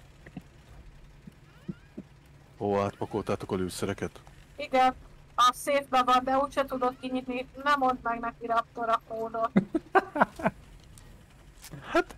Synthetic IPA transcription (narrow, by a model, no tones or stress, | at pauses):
oːaːt̪pɒkolt̪aːt̪o̞kɒløːsɛɾɛkɛt̪iɡɛn | ɒseːt̪̚bɛvɒnd̪ɛuːcʃɛt̪ud̪o̞kːiɲit̪ninɛmond̪mɛɡnɛkiɾɒp̚t̪oɾɒpoːno | hat̪